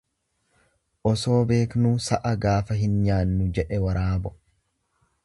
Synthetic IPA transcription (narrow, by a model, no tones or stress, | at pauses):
ʔɔso̞ːbe̞ːknuːsɐʔɐɡaːfɐɦɪnɲaːnːʊd͡ʒɛʔɛwɐɾaːbɔ